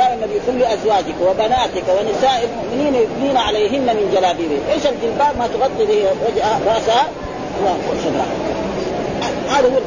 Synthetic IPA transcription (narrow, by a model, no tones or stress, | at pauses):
aːʔamːabikulːʔazwaːd͡ʒikwabanaːt̪ikwanɪsaːʔalmʊʔmɪniːnajubniːnaʕaleːɦinːamɪnd͡ʒalaːbiːɾiʔeːʃalɡɪlbaːbmat̪ʊɣɑt̪ˤːibiɾad͡ʒaɾˤɑʔsaha | huwːaulʃanɾˤɑ̰ | haːd̪ahuwː